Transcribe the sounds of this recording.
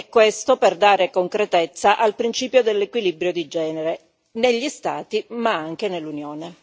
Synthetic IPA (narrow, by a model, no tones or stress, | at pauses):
ɛkːwest̪operd̪aːɾekoŋkɾet̪et̪sːaʔalpɾint͡ʃiːpjod̪elːekwilibɾjod̪id͡ʒɛːneɾe | neʎːist̪a̰ːt̪imaaŋk̟enelːunjoːne